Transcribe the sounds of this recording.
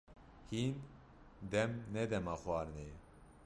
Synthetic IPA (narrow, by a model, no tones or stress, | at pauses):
hiːn | d̪ɛmnɛd̪ɛmɑːxwʷɑːɾnɛɛ